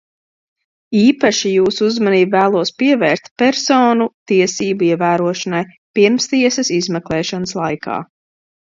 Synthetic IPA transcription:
iːpaʃijuːsuuzmaniːbvæːlˠuɔspiɛvɛːɾst̪pɛɾsoːnut̪iɛsiːbuiɛvæːɾuɔʃɐnaj | piɾmst̪iɛsɐsizmɛklˠɛːʃanslˠajkʰa̰ː

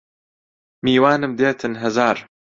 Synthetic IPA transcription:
miːwaːnɨmd̪eːt̪ʰɨnɦɐzaːɾ

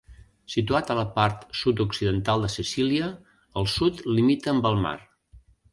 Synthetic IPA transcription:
sit̪uat̪ələpaɾt̪sut̪uksiðənt̪alˠd̪əsisiliəː | lˠsut̪limit̪əːmbəlˠma̰r

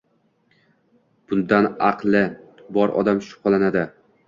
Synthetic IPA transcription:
b̥ʊnd̪anɑqlˠɪbɒɾɒ̰d̪amʃʊ̥qʰɑlˠanad̪ɪ

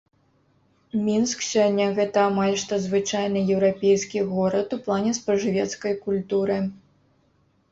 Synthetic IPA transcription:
mʲinsksʲɔnʲːɐɣɛt̪ɐːmalʲʂt̪ɐzvɨt͡ʂajnɨjɛwɾapʲejskʲiɣɔɾɐt̪uplˠanʲɛspɾɐʐɨvʲɛt̪skɐjkulʲt̪uɾɨ

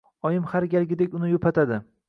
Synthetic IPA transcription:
ɒjɪmhaɾɡʲalɡʲɪd̪ekʲʊnɪjopʰat̪ʰad̪ɪ

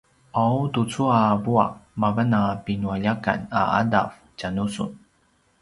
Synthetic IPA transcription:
ʔawtut͡suabua̰mavanapinuaʎaka̰na̰a̰dav | canusṵn

